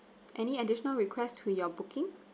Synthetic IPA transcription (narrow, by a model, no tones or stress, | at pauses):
ʔɛniədɪʃɔnəlɹikʰwɛstʰujɔbʊkɪ̃ŋ